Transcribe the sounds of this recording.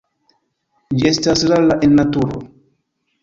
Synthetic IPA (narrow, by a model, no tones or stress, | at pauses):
d͡ʒiestaslalaʔenːatuɾo̰